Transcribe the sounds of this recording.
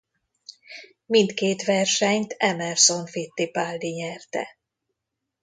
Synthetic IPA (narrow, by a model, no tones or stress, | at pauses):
mint̪keːt̪ʋɛrʃɛɲt̪ʰɛmɛrsoɱfit̪ːipaːld̪iɲɛrt̪ɛ̰